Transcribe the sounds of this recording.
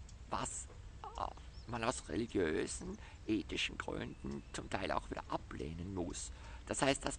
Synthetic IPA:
va̰s | manaʊsʁḛliɡjøːz̥n̩ | ʔeːtɪʃn̩ɡ̥ʁʏ̰ndn̩t͡sʊmtʰaɪlʔa̰ʊxv̥iːdɐʔaplḛːnənmʊs | d̥ashaɪst̚d̥as

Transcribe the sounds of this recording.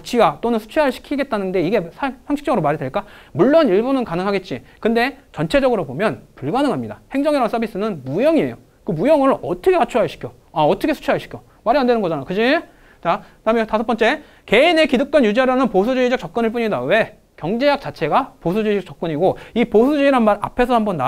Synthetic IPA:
t͡ɕʰiɡat͈onɯnsʰu̥t͡ɕʰiɦaɭɕʰi̥kʰiɡe̞t̚t͈anɯnde̞iɡe̞sʰasaŋɕʰi̥k̚t͡ɕʌɡɯɾomaɾideɭk͈amuɭːoniɭbunɯnkanɯŋɦaɡe̞t̚t͡ɕ͈ikɯndet͡ɕʌnt͡ɕʰe̞d͡ʑʌɡɯɾobomjʌnpuɭɡanɯŋɦamɲidahe̞ŋd͡ʑʌŋiɾans͈ʰʌbis͈ɯnɯnmujʌŋie̞̰jo | kɯmujʌŋɯɾɯɭʔʌtʰʌkʰekat͡ɕʰuɦaɭɕʰi̥kʰjo | aʌtʰʌkʰesʰu̥t͡ɕʰuaɭɕi̥kʰjo | maɾiandwenɯnɡʌd͡ʑanakɯd͡ʑi | t͡ɕa | damjʌntasʰʌp͈ʌnt͡ɕ͈e̞ | ke̞ine̞kiduk̚k͈ʌnɲjud͡ʑiaɾanɯnposʰud͡ʑuid͡ʑʌk̚t͡ɕʌk̚k͈ɯnɯɭp̬͈uɲidawe̞ | kjʌŋd͡ʑe̞jak̚t͡ɕ͈at͡ɕʰe̞ɡaposʰud͡ʑuid͡ʑʌk̚t͡ɕʌk͈̚ɯɲiɡoiposʰud͡ʑuiɾanmaɾa̰pʰe̞sʰʌhambʌnːa

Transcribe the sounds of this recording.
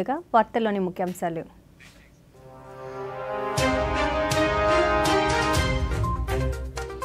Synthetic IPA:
uɡaːʋaːɾt̪ɐlo̞ːnimukʰːjɐmsaːlu

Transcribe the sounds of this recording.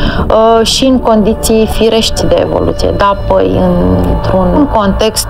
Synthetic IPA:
ʃiɨŋko̞nd̪it̪sijfiɾe̞ʃt̪ʲd̪e̞ḛvo̞̰lṵt̪sijḛd̪apə̰jɨ̰nt̪ɾunŋko̞nt̪e̞kst̪

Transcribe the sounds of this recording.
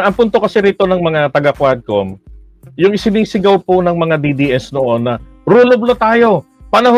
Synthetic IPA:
ɐŋpʊnt̪o̞kɐsɛɾiːt̪o̞nɐŋmɐŋat̪ɐɡakwad̪̚ko̰m | jʊŋɪsɪniːsɪɡɐwponɐŋmɐŋad̪id̪iʔɛsnoʔonːɐ | ɾuːloblot̪aːjo̞ | pɐnɐɦ

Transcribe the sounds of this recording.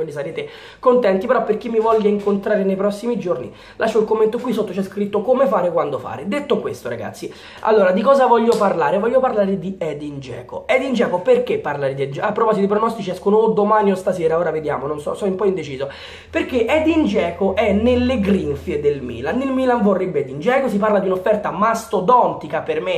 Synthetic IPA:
wind̪isaɾeːt̪e | kont̪ɛnt̪ipeɾɔpːerk̟imːivɔʎːaiŋkont̪ɾaːɾenejpɾɔsːimid͡ʒornḭ | lʔa̰ʃːoilkomːent̪okwisːot̪ːot͡ʃɛskɾit̪ːokomefaːɾekwand̪ofa̰ːɾed̪et̪ːokwest̪oɾa̰ɡa̰t̪sːi | a̰lːoːɾad̪ikɔːzavɔʎːoparlaːɾevɔʎːoparlaːɾed̪iɛd̪ind͡ʒɛ̰ːko̰ɛd̪ind͡ʒɛːkoperkepːarlaɾed̪iɛd͡ʒapːɾopɔzit̪ipɾonɔst̪it͡ʃiɛskonoːd̪omaniost̪asɛːɾaoːɾaved̪ja̰ːmononsɔ̰sɔimpɔind̪et͡ʃiːzo | perkːeʔɛd̪ind͡ʒɛːkoʔɛnːelːeɡɾinfied̪elmḭːlanːilmiːlanvorːebːeɛd̪ind͡ʒɛːkosip̬aɾrlad̪iunofːɛrt̪amast̪od̪ɔnt̪ikaperme

